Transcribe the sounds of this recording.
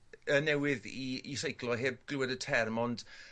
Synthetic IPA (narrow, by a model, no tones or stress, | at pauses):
ənɛwɪðiisejkʰlˠɔɦeːb̚ɡ̥lɪɛdətʰɛrmɔnd̥